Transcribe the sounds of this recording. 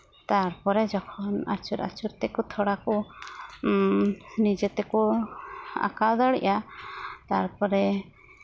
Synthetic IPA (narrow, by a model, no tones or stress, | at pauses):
t̪aɾpɔɾɛd͡ʒɔkʰɔna̰ɾt͡ʃuɾa̰ɾt͡ʃuɾt̪ɛkut̪ʰɔɽaku | nid͡ʒɛt̪ɛku | a̰kad̪aɽḭʔat̪aɾpɔɾɛ